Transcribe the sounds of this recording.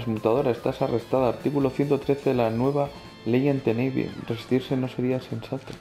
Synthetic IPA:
zmut̪að̞o̞ɾaest̪asare̞st̪aðaːɾt̪ikulo̞θje̞nt̪ot̪ɾe̞θeðelanwe̞β̞a | le̞jent̪eneβḭrresi̥st̪iɾse̞no̞se̞ɾiase̞nsat̪o

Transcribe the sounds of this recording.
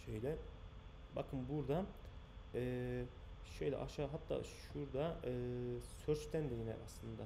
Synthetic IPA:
ʃejlʲɛ | bakʰɯnbuɾd̪a | ɛ | ʃejlʲɛ̰ʔa̰ʃaːɦat̪ːa̰ːʃuɾd̪aɯsøɾt͡ʃt̪ʰænd̪ejinɛ̰aslˠɯnd̪a

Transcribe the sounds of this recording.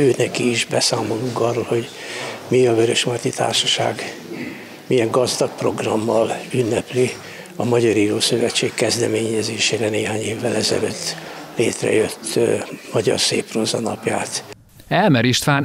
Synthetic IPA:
øːnɛkiːʒbɛsaːmo̞luŋkɒrːoːlho̞ɟ | miɒvøɾøʃmɒt̪it̪ʰa̰ːrʃɒʃa̰ːɡ | mijɛŋɡɒzd̪ɒk̚pro̞ɡrɒmːɒlynːɛpli | ɒmɒɟɒɾiːɾoːsøvɛt͡ʃːeːkːɛzd̪ɛmeːɲɛzeːʃeːɾɛneːɦaːɲeːvːɛlɛzɛ̰lø̰ːt̪ːleːt̪rɛ̰jøt̪ːmɒɟɒ̰rsḛːprozɒnɒ̰pja̰ːt̪ | ɛlmɛɾiʃt̪ʋaːn

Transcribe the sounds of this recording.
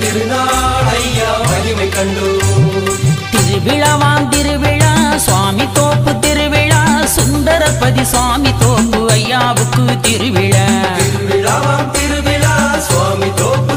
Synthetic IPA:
t̪ɪɾɯnaːɽɐjjaːɐɾiʋɐkːɐɳɖɯ | t̪ɪɾɯʋɪɻɐʋaːnt̪ɪɾɯʋɪɻasʋaːmit̪oːpːɯt̪ɪɾɯʋɪɻasʊnd̪ɐɾɐpɐðisʋaːmit̪oːŋɡɯɐjːaːʋɯkːɯt̪ɪɾɯʋɪɻɐt̪ɪɾɯʋɪɻɐʋaːnt̪ɪɾɯʋɪɻasʋaːmit̪oːpːɯ

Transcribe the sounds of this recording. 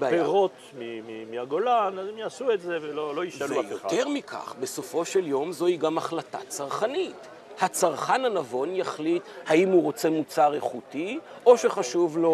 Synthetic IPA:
beapeaʁo̞t̪ | mimimiaɡolanazemjaːsuetzeveloloiʃvajoteʁmikʰa̰χbe̞so̞fo̞ʃeljo̞mzo̞hiɡamaχlata̰t͡saʁχanit | hat͡saʁχananavo̞njaχlithaimhuʁo̞t͡se̞mut͡saʁe̞χuti | o̞ʃe̞χaʃuvlo̞

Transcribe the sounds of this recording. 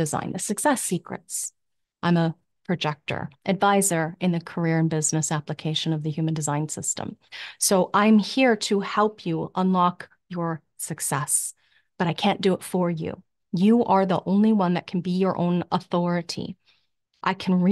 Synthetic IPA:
dɨzã̰ɪ̃nðɨsɨksɛsikɹɨ̰ts | ʔãɪ̃mə | pʰɹ̥ɨd͡ʒɛk̚tə̰˞ʔɨdvaɪzə˞ʔɨ̃nðɨkʰə˞ɪɹɨ̃nbɪznɨsæpləkʰeɪʃɨ̃nʌvðɨhjʉmɨ̃ndɨzãɪ̃nsɪstə̰̃msoʊʔãɪ̃mhiɹɾɨhɛlˠpʰjɨʌ̃nlɑk | jə˞ | sɨksɛs | b̥ʌɾaɪkʰæ̃nd̥ɨɪtfə˞jʉ̰ | jɨʔə˞ðiʔõʊ̃nliwʌ̃nðɨt̚kʰn̩bijə˞ʔõ̰ʊ̃nəθɔɹɨɾḭ | ʔaɪkʰn̩ɹi

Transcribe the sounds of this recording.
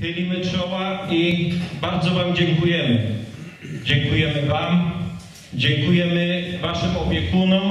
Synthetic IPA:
xɘlʲimɘt͡ʂɔwaibaɾd̪zɔvamd͡ʑɛŋkujɛmɘ | d͡ʑɛŋkujɛmɘvam | d͡ʑɛŋkujɛmɘvaʂɘmɔpʲjɛkunɔm

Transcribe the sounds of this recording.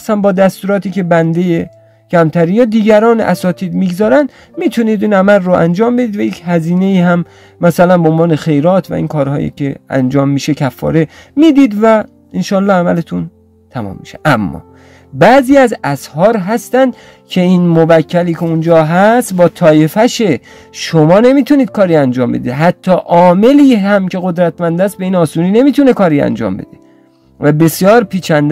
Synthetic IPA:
sæmbɒːd̪æst̪uːɾɒːt̪iːke̞bænd̪eje | kʰæmt̪ʰæɾinjɒːd̪iːɡæɾɒːn̰ʔæ̰sɒːt̪ʰiːd̪miːɡzɒːɾænd̪ | miːt̪ʰuniːd̪iːnæmælːoʔænd͡ʒɒːmbe̞d̪iːd̪væjekʰhæziːne̞iːhæm | mæsælænboonvɒːne̞xe̞jɾɒːt̪ʰvæ̰ḭːnkʰɒːɾhɒ̰ːjḭkʲʰeæ̰nd͡ʒɒːmːiːʃekʰæfːɒ̰ːɾe̞ | miːd̪iːd̪væ | enʃɒːlːɒːhæmælet̪ʰun | t̪ʰæmɒ̰ːmːiʃeʔæmːɒ̰ː | bæziːæzæshɒːɾɦæst̪ænd̪ | kʰe̞iːnmobæcʰːæliːcʰeund͡ʒɒːɦæst̪bɒːt̪ʰɒːje̞fæʃe̞ | ʃomɒːne̞miːt̪ʰuniːd̪̥̚kʰɒːɾiːænd͡ʒɒːmbe̞̰d̪eɦæt̪ʰːɒːʔɒːme̞liːhæmcʰe̞ɣod̪ɾæt̪mænd̪æst̪̚beiːnɒːsuːniːne̞miːt̪ʰune̞kʰɒːɾiːæ̰nd͡ʒɒ̰ːmbe̞̰d̪e | væbe̞sjɒːɾpʰiːt͡ʃʰænd̪

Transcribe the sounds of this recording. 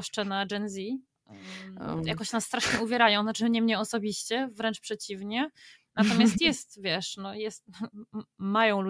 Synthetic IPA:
ʂt͡ʂɛnad͡ʐɛnzʲi | jakɔɕnasːt̪ɾaʂɲɛuvʲjɛɾajɔ̃w̃zat͡ʂɘɲɛmɲɛɔsɔbʲiɕt͡ɕɛvɾɛnt͡ʂpʂɛt͡ɕivɲɛ | nat̪ɔmʲjast̪jɛst̪vʲjɛʂnɔjɛst̪̚ | majɔ̃w̃lu

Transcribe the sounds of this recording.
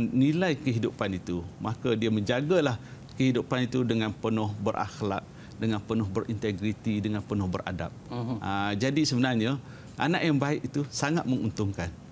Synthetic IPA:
nilajkəɦidupanit̪umakadiamə̃ɲd͡ʒaɡalah | kəɦidupanit̪udəŋanpənʊhbərʔa̰xla̰ʔ̚ | dəŋanpənʊhbəɾʔint̪eɡɾit̪idəŋanpənʊhbərʔa̰da̰p̚əd͡ʒadisəbənarɲa | ʔa̰naʔjaŋbaɪʔit̪usaŋat̪̚məŋunt̪ʊŋkan

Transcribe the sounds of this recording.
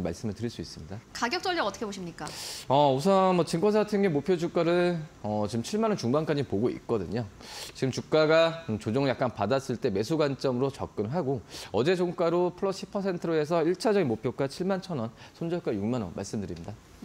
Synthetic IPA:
ma̰ɭs͈ɯmɯɭtɯɾiɭs͈uis͈ɯmɲidakaɡjʌk̚t͡ɕ͈ʌɭd͡ʑʌʌt͈ʌ̥kʰeboɕʰimɲik͈aʌus̬ʰʌnmʌt͡ɕiŋk͈ʰonsʰatʰɯŋemopʰjod͡ʑuk͈aɾɯʌt͡ɕiɯmt͡ɕʰiɭmanʌnt͡ɕuŋmank͈ad͡ʑipoɡoḭk̚k͈ʌdɯɲot͡ɕiɡɯmt͡ɕuk̚k͈aɡat͡ɕod͡ʑoŋɯɭjak͈anpadas͈ɯɭt͈e̞me̞sʰuɡant͡ɕ͈ʌmɯɾot͡ɕʌ̰k̚k͈ɯnɦaɡoʌd͡ʑe̞d͡ʑoŋk͈aɾopʰɯɾʌɕʰipʰʌsʰe̞ntʰɯɾoes̬ʰʌiɭt͡ɕʰad͡ʑʌɡinmopʰjok͈at͡ɕʰiɭmant͡ɕʰʌnʌnsʰond͡ʑʌɭk͈ajuŋmanʌ̰nma̰ɭs͈ɯmdɯɾimɲida

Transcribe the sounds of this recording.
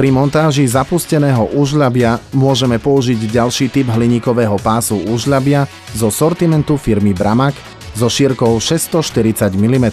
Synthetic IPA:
pɾimɔnt̪aːʒizapuscɛnɛːɦɔʔuːʒʎabɪamʊɔʒɛmɛpɔuʒiɟɟalʃiːt̪ibɦliɲiːkɔʋɛːɦɔpaːsuuːʒʎabɪa | zɔsɔɾt̪imɛnt̪ufiɾmibɾamak | zɔʃiːɾkɔʊʃɛst̪ɔʃt̪iɾit͡saɟmilimɛt̪

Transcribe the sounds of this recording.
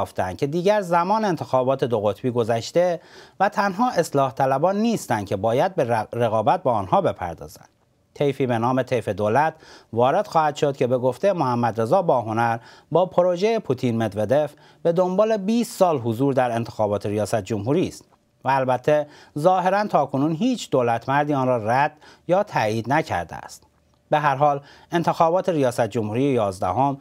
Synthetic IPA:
ft̪ænd̪̚cʰe̞d̪iːɟæɾzæmɒːneent̪ʰexɒːbɒːt̪ʰe̞d̪oɣo̞t̪ʰbiːɡo̞zæʃt̪e̞væt̪ʰænɦɒːʔe̞slɒːht̪ʰælæbɒːnːiːst̪ænd̪cʲʰe̞bɒːjæd̪̚beɾeɣɒːbæt̪̚beːnhɒːbe̞pʰæ̰ɾd̪ɒ̰ːzæ̰nd̪ | t̪ʰe̞jfiːbe̞nɒːmet̪ʰejfe̞d̪oːlæt̪ʰvɒːɾe̞d̪̥xɒːhæd̪̥ʃo̞d̪̚cʲʰe̞be̞ɡo̞ft̪e̞jemohæmːæd̪ɾe̞zɒːbɒːɦo̞næɾbɒːpʰoɾoʒejepʰut̪ʰiːnmed̪ve̞d̪e̞f | b̥e̞d̪o̞mbɒːle̞biːst̪sɒːlɦuzuːɾd̪æɾe̞nt̪ʰexɒːbɒːt̪ʰeɾijɒːsæt̪̚d͡ʒomɦuːɾiːst̪ | væːlbæt̪ʰːezɒːhe̞ɾænt̪ʰɒːkʰo̞nuːnɦiːt͡ʃʰd̪oːlæt̪ʰmæɾd̪iːɒːnrɒːræd̪̥jɒːt̪ʰæjiːd̪næcʰæ̰ɾd̪ḛæ̰st̪ | beɦæɾɦɒːl | e̞nt̪ʰe̞xɒːbɒːt̪ʰe̞ɾijɒːsæt̪̚d͡ʒomhuːɾijejɒːzd̪æɦom

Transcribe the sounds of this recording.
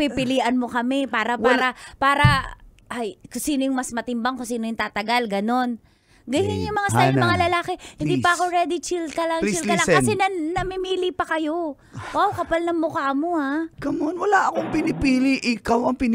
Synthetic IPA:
pipɪliːʔɐnmo̞kɐmɛpaːɾɐpaːɾɐpaːɾɐ | ʔajkʊŋsiːnojʊŋmɐsmɐt̪ɪmbaŋkʊŋsiːnojʊŋt̪aːt̪ɐɡalɡɐno̞n | ɡɐjɪnjʊŋmɐŋasajnmɐŋalɐlaːkɛhɪnd̪iːpɐɐkoɾɛd̪ɪt͡ʃil̚kɐlɐŋilkɐlaŋkɐsɛnɐnɐmɪmiːlipɐkɐjo̞ | awkɐpɐlnɐŋmʊkaʔmo̞akɐmonwɐlaʔɐkoŋpɪnɪpiːlɪʔɪkawɐŋpɪn

